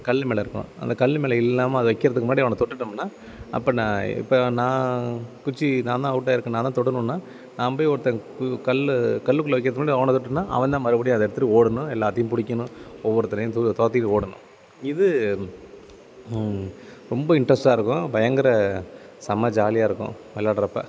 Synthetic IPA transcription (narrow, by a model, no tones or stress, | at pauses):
kɐɭːmeːlɐɪɾɯkːʊ̰̃ɐ̰nd̪ɐkɐɭːmeːlɐɪlːaːmɐɐðɯʋɐɪkːɪɾɐðɯkːɯmaːɽiɐʋɐɳɐ̃t̪ɔʈːɯʈːɐmnːaː | ɐ̰pːɐnãːɪ̰pːonãːkʊt͡ʃːinãːd̪ãːɐʋɯʈ̬ːaːɪɾɯkːɯ̃naːt̪ãːt̪ɔʈːɯnʊ̃nːaː | nãːp̬oːjɔɾɯt̪ːɐkɐɭkɐɭːɯkːɯlːɐʋɛkːɪɾɐðɯkmaːɽiɐʋɐɳnɐ̃t̪ɔʈːɯnːaːʔɐ̰ʋɐ̃nd̪ãːmɐɾɯbɐɽɪjʊ̃ɐðɛɽɯt̪ːɯʈːɯoːɽɐnʊ̃ɛlːaːt̪ːɐjʊ̃mpʊɽɪk̬ʲːɐnʊ̃ɔʋːɔɾɯt̪ːɐnɐjʊ̃t̪t̪oːt̪̬ːɪjʈːoːɽɐnʊ̰̃ | ɪðɯ | ɾɔmbɐɪɳɖɾɐsʈaːɪɾɯkːʊ̃bɐjɐŋɡɐɪɾɐ | sɐmɐd͡ʒaːlɪjaːɪɾɯkːʊ̰̃ | ɛlːaːɽɐɾɐpːɐ̰